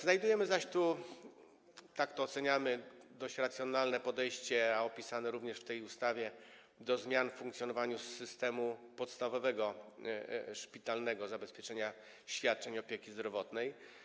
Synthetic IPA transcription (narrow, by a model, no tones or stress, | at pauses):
znajd̪ujɛmɘzaɕt̪u | t̪akt̪ɔːt̪sɛɲamɘd̪ɔɕt͡ɕɾat̪sʲjɔnalnɛpɔd̪ɛjɕt͡ɕɛaɔpʲisanɛɾuvɲɛʂft̪ɛjust̪avʲjɛ | d̪ɔzmʲjanffuŋkt̪sʲjɔnɔvaɲusːɘst̪ɛmupɔt̪st̪avɔvɛɡɔ | ʂpʲit̪alnɛɡɔzabɛspʲjɛt͡ʂɛɲa | ɕfʲjat̪̚t͡ʂɛɲɔpʲjekʲizd̪ɾɔvɔt̪nɛj